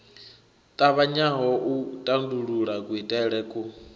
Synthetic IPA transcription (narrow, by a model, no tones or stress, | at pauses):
t̪ʼaβaɲaɦɔʔutʼanduɺuɺakʼwitʼɛɺɛːkʼu